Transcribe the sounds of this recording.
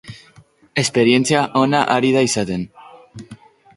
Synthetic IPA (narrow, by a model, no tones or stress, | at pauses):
e̞spe̞ɾje̞nt͡siaʔo̞naʔaɾið̞aisat̪e̞n